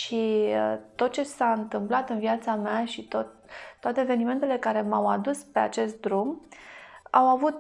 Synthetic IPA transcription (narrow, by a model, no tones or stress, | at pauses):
ʃit̪o̞t̪̚t͡ʃe̞saɨnt̪ɨmplat̪ɨnviat̪sameaʃit̪ot̪ːoat̪eːve̞nime̞nt̪e̞le̞kaɾe̞mawad̪uspe̞a̰t͡ʃe̞st̪̚d̪ɾum | awavut̪̚